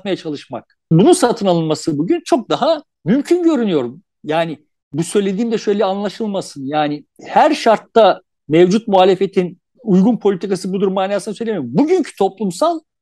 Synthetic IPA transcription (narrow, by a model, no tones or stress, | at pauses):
t̪̚majat͡ʃʰalˠɯʃma̰k̚ | bununsat̪ʰɯnalˠɯnmasɯbuɟynt͡ʃʰo̞k̚d̪aɦa | mymcʰynɟø̞ɾynyjo̞ɾum | jaːnɪ | busø̞jlʲe̞d̪iːmd̪ɛʃø̞jlʲɛanlˠaʃɯlˠmasɯnjaːnɪhæɾʃaɾt̪ːa | mevd͡ʒut̪̚muɦaːlʲe̞fe̞t̪ʰin | ujɡunpʰolʲit̪ʰikasɯbud̪uɾmːaːnaːsɯnasø̞jlʲemjɾumbuɟyɲcʰy̥t̪ʰo̞plˠumsalˠ